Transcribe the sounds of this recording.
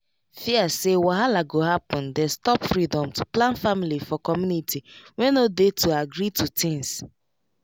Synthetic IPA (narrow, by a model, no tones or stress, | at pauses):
fiasewaɦalaɡoɦapɔ̃ndɛstɔpfɾidɔ̃mtʰu̥plãnfamilifɔkɔmjunitʰiwɛ̃nodetʰuaɡɾitʰutɪ̃ŋs